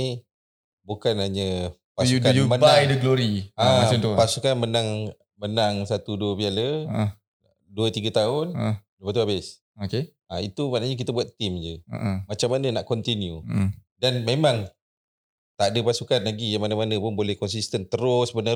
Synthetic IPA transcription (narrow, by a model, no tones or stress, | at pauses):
i | bukanaɲə | pasukamənbajdəɡloɾiapasukanmənaŋ | mənaŋsat̪uduəbialə | duət̪iɡət̪aʊndəpat̪uabɪs | oke | ait̪umaʔnaɲak̬it̪əbuat̪ːimd͡ʒəə̰ʔmat͡ʃamːanənaʔkɔnt̪injudanmemãŋ | t̪adəpasukanlaɡijaŋmanamanəpʊnbolɛhkɔns̬ist̪ənt̪əɾʊsbənə